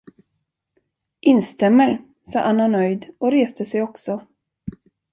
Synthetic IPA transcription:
ʔɪnst̪ɛmːəɾ | sɑ̰ːʔanːanœjd̪ɔɾeːst̪əsɛjɔksɔ

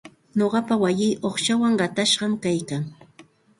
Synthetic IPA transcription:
ɲoɢɑpawajɪːʔoχʃawaŋɢɑt̪aʃɢɑmkajkaŋ

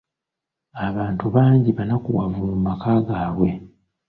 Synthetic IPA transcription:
aβaːntuβaːɲɟiβanakuwavummakaːɡaːwe̞

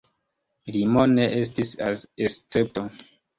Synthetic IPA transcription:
limone̞ʔestisaest͡se̞p̚to

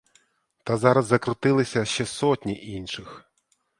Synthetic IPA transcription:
t̪azɑɾɐzːɐkɾʊt̪ɪlˠɪsʲɐʃt͡ʃɛsɔtʲnʲiʔinʃɪx

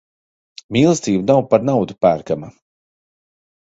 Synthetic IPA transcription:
miːlˠɨst̪iːbunawpaɾnawd̪upæːɾkama

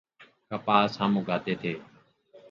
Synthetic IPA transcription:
kəpaːsãːmũːɡʱaːt̪eːt̪ʰeː

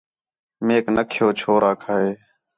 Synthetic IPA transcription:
meːknəkʰjoːt͡ʃʰoːɾaːkʰaːɦeː

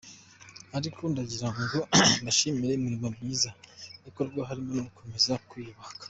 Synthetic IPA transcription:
aɾikʰondaɟiɾaŋɡondaʃimiɾe̞imiɾimomɲiːzaiko̞ɾɡwaɦaɾimonoukʰo̞me̞zakwiːβakḁ

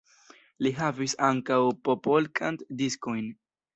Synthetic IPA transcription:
liɦavisaŋkawpo̞po̞lkʰantdisko̞jn

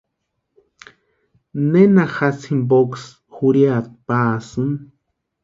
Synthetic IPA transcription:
nenaxasʰimboks | xuɾjat̪̚paːsɨn

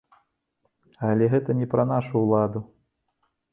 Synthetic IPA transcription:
ɐlʲɛɣɛt̪ɐnʲipɾɐn̪aʂuːlˠad̪u

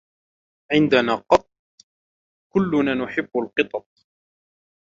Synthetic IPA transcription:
ʕɪnd̪anaːqɑt̪̚ˤ | kʊlːʊnaːnʊħɪbːalqɨt̪ˤɑt̪̚ˤ

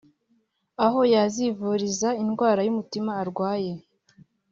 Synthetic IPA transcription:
aɦo̞jazivuːɾizainɡwaːɾajumutimaːɾɡwaːje̞

